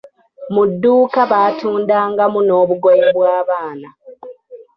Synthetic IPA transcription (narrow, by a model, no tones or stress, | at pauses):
mudːuːkaβaːtuːndaːŋɡamuno̞ːβuɡojeβwaːβaːna